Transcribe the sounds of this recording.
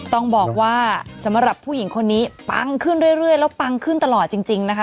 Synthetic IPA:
t̪ɔ˥˩ŋbɔː˨˩k̚waː˥˩sa˩˦mɾa˨˩pʰːuː˥˩ji˩˦ŋkʰo˧nːiː˦˥pa̰˧ŋkʰɯ˥˩nɾu˥˩əjɾɯ˥˩əjlɛː˦˥wpa˧ŋkʰɯ˥˩nt̪a˧lɔː˨˩t̪̚t͡ɕi˧ŋt͡ɕi˧ŋna˦˥kʰ

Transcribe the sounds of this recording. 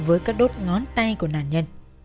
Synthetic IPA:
vəː˨˦jkaː˦˥k̚ɗo˦˥t̚ŋɔ˨˦nt̪a˧jku˧˩naː˨˩nɲə˧˩n

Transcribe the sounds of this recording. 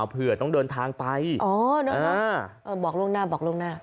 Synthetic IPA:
wpʰɯ˨˩ɐ˩t̪ɔ˥˩ŋdɤː˧nt̪ʰaː˧ŋpa˧jʔɔː˧˩˦nɔ˦˧˥aɔ˦˧˥ʔɤː˧˩bɔː˨˩k̚lu˥˩əŋnaː˥˩bɔː˨˩klu˥˩əŋnaː˥˩

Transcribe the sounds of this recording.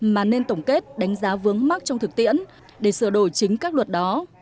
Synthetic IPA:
maː˨˩ne˧nt̪ə˧˩wŋ͡mke˦˥t̚ɗa˨˦jŋ̟zaː˨˦vɨ˨˦əŋma˦˥k̚t͡ɕɔ˧wŋ͡mt̪ʰɨ˨˩k̚t̪ḭ˧˨ən | ɗe˧˩sɨ˧˩əɗo˧˩jt͡ɕï˨˦ŋ̟kaː˦˥k̚lə˨˩t̚ɗɔ˨˦

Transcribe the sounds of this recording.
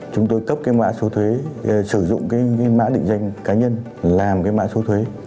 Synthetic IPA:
t͡ɕʊ˨˦ŋ͡mt̪o˧jkə˦˥p̚kaː˨˦jma̰ː˧˥so˨˦t̪ʰwe˨˦sɨ˧˩zʊ̰˧˨ŋ͡mkaː˨˦jkaː˨˦jma̰ː˧˥ɗḭ˧˨ŋ̟za˧jŋ̟kaː˨˦ɲə˧n | laː˨˩mkaː˨˦jma̰ː˧˥so˨˦t̪ʰwe˨˦

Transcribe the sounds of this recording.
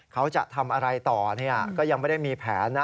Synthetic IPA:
kʰa˦˥wt͡ɕa̰˨˩ʔt̪ʰa˧mʔa˧ɾa˧jt̪ɔː˨˩ni˥˩ɐkɔː˥˩ja˧ŋma˥˩da˥˩jmiː˧pʰɛː˩˦nː˦

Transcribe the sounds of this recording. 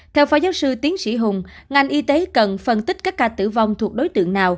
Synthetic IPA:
t̪ʰɛ˧wfaː˧˩zaː˨˦wsɨ˧t̪i˨˦ənsḭ˧˩ɦʊ˨˩ŋ͡mŋa˨˩jŋ̟ʔi˧t̪e˨˦kə˨˩nfə˨˩nt̪i˦˥k̟̚kaː˦˥k̚ːaː˧t̪ɨ̰˧˩va˧wŋ͡mt̪ʰu˨˩ək̚ɗo˨˦jt̪ɨ̰˧˨əŋnaː˨˩w

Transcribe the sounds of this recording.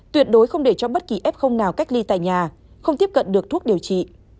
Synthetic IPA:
t̪wi˨˩ət̚ɗo˨˦jxə˧wŋ͡mɗe˧˩t͡ɕɔ˧ɓə˦˥t̚ki˨˩ʔɛ˦˥p̚xə˧wŋ͡mnaː˨˩wka˦˥k̟̚li˧t̪a̰ː˧˨jɲaː˨˩ | xə˧wŋ͡mt̪i˦˥əp̚kə̰˧˨nɗɨ˨˩ək̚t̪u˦˥k̚ɗi˨˩əwt͡ɕḭ˧˨

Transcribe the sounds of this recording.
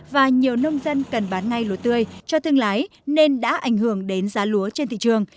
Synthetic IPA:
vaː˨˩ɲi˨˩əwnə˧wŋ͡mzə˧nkə˨˩nɓaː˨˦nŋa˧jlo˨˩t̚t̪ɨ˧əjt͡ɕɔ˧t̪ʰɨ˧əŋlaː˨˦j | ne˧nɗa̰ː˧˥ʔa˧˩jŋ̟hɨ˧˩əŋɗe˨˦nzaː˨˦lu˨˦ət͡ɕe˧nt̪ḭ˧˨t͡ɕɨ˨˩əŋ

